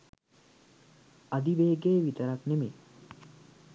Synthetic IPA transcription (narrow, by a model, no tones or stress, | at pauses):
ad̪iʋeːɡeːʋit̪əɾakneme